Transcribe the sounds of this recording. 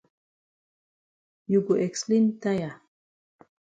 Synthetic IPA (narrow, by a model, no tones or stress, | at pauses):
juɡuʔekslint̪aja